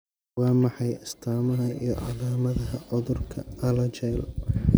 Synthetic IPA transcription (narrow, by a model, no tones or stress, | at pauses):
wɑːmɑħɑjɪst̪ʰaːmɐɦɐij̰ʕɑ̰ðaːmɐðɐɦɐʕʊðʊrkʰɐ̰ɐlɐt͡ʃɛjl